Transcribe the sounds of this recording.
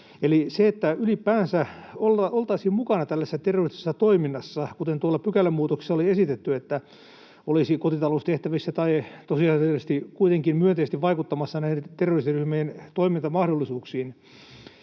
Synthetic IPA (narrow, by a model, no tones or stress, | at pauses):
eliseet̪ːæylipæːnsæolɑolt̪ɑisiːmmukɑnɑt̪ælːæsesːæt̪erːorisse̥sːɑt̪oiminːɑsːɑkut̪ent̪uɑlːɑpykælːæmmuːt̪okse̥sːɑoliesit̪et̪ːyet̪ːæ | olisikot̪it̪ɑloust̪eht̪æʋisːæt̪ɑit̪osiɑest̪ikuit̪eŋkimmyønt̪eist̪iʋʋɑikut̪ːɑmɑsːɑnæiet̪erːorisiryhmejnt̪oimint̪ɑmɑhɾolːisuːksiːn